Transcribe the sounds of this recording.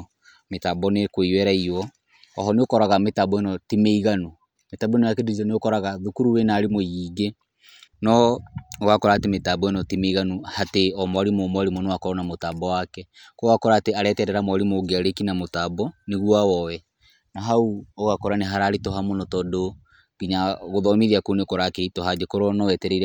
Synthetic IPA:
metabɔnekweiwɛɾaiwɔ | ɔ̰ɦɔneokɔɾaɣametabɔenɔtimeiɣano | metabɔenɔjakedid͡ʒɔneokɔɾaɣaðukuɾuwenaːɾemojiːɡe | nɔoɣakɔɾatemetabɔenɔtimeiɣanohateɔmwaɾimomwaɾimɔnowakɔɾɔnamotabɔwakɛ | kɔɣakɔɾaːteaɾɛtɛɾɛɾamwaɾimoɡeaɾekinamotabɔneɣuawɔwɛ | naɦauoɣakɔɾaneɦaɾaːɾetɔɦamonɔtɔdo | ɡ̥iɲaɣoðɔmiðiakoneokɔɾakeitɔɦad͡ʒekoɾɔnɔwɛtɛɾɛiɾɛ

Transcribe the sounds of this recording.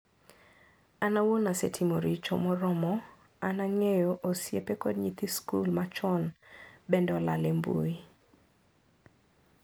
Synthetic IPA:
anawonasetʰimoɾit͡ʃo̰mɔɾɔmɔ | anaŋejoʔosjepekɔdɲit̪iskulmat͡ʃɔnbɛndɔla̰lembṵi

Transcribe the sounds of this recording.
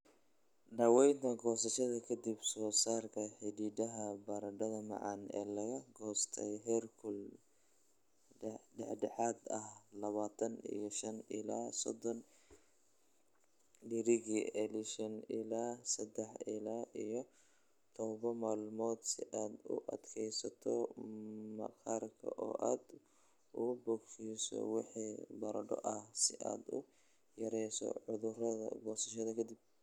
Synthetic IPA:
ɖɐwɛjnt̪ʰɐɡɔːsɐʃɐðɐkʰɐd̪ibsɔːsaːrkʰɐħɪdiːd̪ɐɦɐbɐɾɐɖɐðɐmɑ̰ʕɑ̰nɛ̰ːlɐɣɐɡɔːst̪ʰɛjɦɛrkʰʊl | ɖɛ̰ħɖɛħɑːd̪ɐhlɐβaːt̪ʰɐnḭjɞʃɐnɪ̰laːsɔ̰d̪ɔn | ɖɪɾɪɣiʔɛlɪʃɐnɪlaːsɐd̪ɛħɪlaːʔijɔ | t̪ʰɔβɐnmaːlmɔːd̪sɪʔaːd̪ʊ̰ʔɐd̪kʰɛjsɐt̪ʰɔ | mɐ̰kaːrkʰɐ̰ʔɔ̰ːʔaːd̪ | ubɔɡfiːsɔ̰wɪħiːbɐɾɐɖɔ̰ʔɐhsɪʔa̰ːd̪ʊ̰ | jɐɾɛjsɔ̰ʕʊðʊrɐðɐ̰bɔːsɐʃɐðɐkʰɐd̪ib̚

